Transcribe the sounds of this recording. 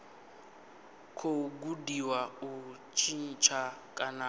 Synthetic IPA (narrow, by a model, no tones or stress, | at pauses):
kʰoɡudiwaut͡ʃʰʼin̩t͡ʃʰakʼana